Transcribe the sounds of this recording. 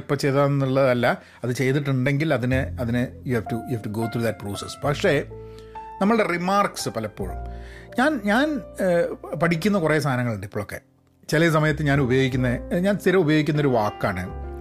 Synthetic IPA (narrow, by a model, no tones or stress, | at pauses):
pːɐt͡ɕe̞jt̪aːnenːuɭːɐðɐlːɐ | ɐðɨt͡ɕe̞jt̪iʈ̬ːuɳɖe̞ŋɡilɐðinɨɐðinɨjuhæːftujuhæːftuɡo̞ːt̪ʰɾuːðɐt̚proːsespɐkʂe̞ | nɐmːɐɭɨɽerimaːrksɨpɐlɐpːo̞̰ːɭṵmɲaːnɲaːn | pɐʈʰikʲːunːɐkure̞ːst̪ʰaːnɐŋːɐɭuɳɖipːoːɭokːe̞ | t͡ɕelɐs̬ɐmɐjɐt̪ːeɲaːnubɐjo̞ːɡikʲːunːɐeɲaːnst̪ʰiɾɐmubɐjoɡikʲːunːɐo̞ɾuʋaːkːaːɳɨ